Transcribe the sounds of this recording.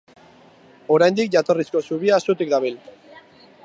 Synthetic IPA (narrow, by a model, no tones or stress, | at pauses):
o̞ɾajnd̪ik̚ʝat̪o̞risko̞suβiaːsut̪ik̚d̪aβil